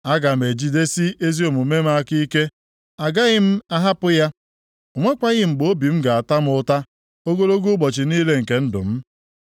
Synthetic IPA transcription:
a˦ɡa˨m˨e˨d͡ʒi˦de˦si˦e˦zi˦o˨mu˨me˦m˦a˦ki˦i˦ke˦ | a˨ɡa˦ɣɪ˦m̩˦a˦ɦa˦pʊ˦ja˦ | o˨ŋʷe˦kʷa˦ɣɪ˦ŋ͡m̩˨ɡ͡bo˦bi˨m̩˦ɡa˨a˨ta˦m̩˦ʊ˦ta˦ | o˦ɡo˦ɾo˦ɡu˦ɡ͡bɔ˨t͡ʃɪ˨niː˦le˦ŋ̩˨ke˨n̩˦dʊ̰˨m̩˦

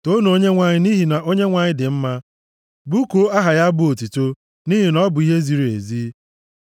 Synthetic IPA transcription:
to˦no˦ɲe˦ŋʷa˨ɲɪ˦ni˦ɦi˨na˨ʔo˦ɲe˦ŋʷa˨ɲɪ˦dɪ˨m̩˦ma˦ | bu˦ko˦a˦ɦa˨ja˦bʊ˦o˨ti˨to˦ | ni˦ɦi˨nɔ˦bʊ˨i˦ɦe˦zi˨ɾi˨e˨zi˦

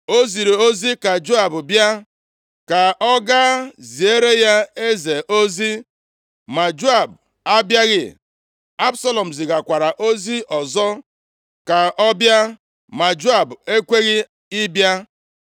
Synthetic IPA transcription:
o˦zi˨ɾe˨o˦zi˦ka˨d͡ʒo˦a˨bʊ˨bja˦ | ka˨ʔɔ˦ɡa˦zi˨e˦ɾe˦ja˦e˦ze˨ʔo˦zi˦ | ma˨d͡ʒo˦a˨b | a˦bja˦ɣɪ̰˦˨ | a˦bsa˦lɔ˨m̩˨zi˨ɡa˨kʷa˨ɾa˨ʔo˦zi˦ʔɔ˨zɔ˦ | ka˨ʔɔ˦bja˦ | ma˨d͡ʒo˦a˨be˦kʷe˦ɣɪ˦ | i˦bja˦

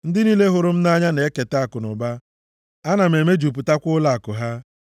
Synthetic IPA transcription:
n̩˦dɪ˦niː˦le˦ɦʊ˨ɾʊ˦m̩˦na˦ɲa˦ne˨˦ke˨ta˨kʊ˨nʊ˨ba˦ | a˦na˨m˨e˨me˦d͡ʒu˨p̬u˨ta˦kʷʊ˦la˨a˨kʊ˨ɦa˦

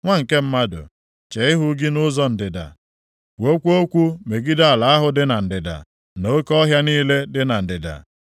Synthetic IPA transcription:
ŋʷa˦ŋ̩˨ke˦m̩˦ma˦dʊ̰˨ | t͡ʃe˨ɪ˦ɦʊ˦ɡɪ˦nʊ˦zɔ˦n̩˨dɪ˨da̰˨ | wo˦kʷu˦o˦kʷu˦me˨ɡi˦da˦a˨la˨a˦ɦʊ˦dɪ˦na˨n̩˨dɪ˨da̰˨ | no˦kɔ˦ɦja˦niː˦le˦dɪ˦na˨n̩˨dɪ˨da̰˨

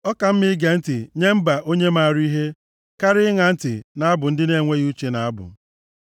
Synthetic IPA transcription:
ɔ˦ka˨m̩˦mɪ˦ɡe˨n̩˦tɪ˨ɲe˦m̩˦ba˨ʔo˦ɲe˦ma˨ɾi˦ɦe˦ | ka˦ɾɪ˦ŋa˨n̩˦tɪ˨na˨˦a˦bʊ˨n̩˦dɪ˦ne˦˨ŋʷe˦ɣi˦u˦t͡ʃe˨na˨a˦bʊ̰˨

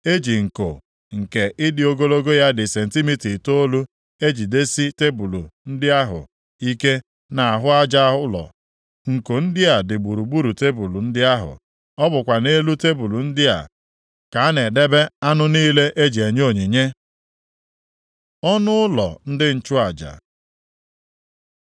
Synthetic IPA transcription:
e˦d͡ʒi˨ŋ̩˨ko̰˨ | ŋ̩˨ke˨ʔɪ˦dɪ˨o˦ɡo˦lo˦ɡo˦ja˦dɪ˨se˨n̩˨ti˦mi˦ti˨to˦lu˦ | e˦d͡ʒi˨de˦si˦te˦bu˨lu˨n̩˦dɪ˦a˦ɦʊ̰˨ | i˦ke˦ | na˨a˨ɦʊ˦a˦d͡ʒa˦ʊ˦lɔ̰˨ | ŋ̩˨ko˨n̩˦dɪ˦a˨dɪ˨ɡ͡bu˨ɾu˨ɡ͡bu˦ɾu˨te˦bu˨lu˨n̩˦dɪ˦a˦ɦʊ̰˨ | ɔ˦bʊ˨kʷa˨ne˦lu˦te˦bu˨lu˨n̩˦dɪ˦a̰˨ | ka˨a˦ne˨de˦be˦a˦nʊ˦niː˦le˦ʔe˦d͡ʒi˨e˨ɲ˦o˦˨ɲi˨ɲe˦ | ɔ˦nʊ˦ʊ˦lɔ̰˨n̩˦dɪ˦n̩˦˨t͡ʃʊ˦a˨d͡ʒa̰˨

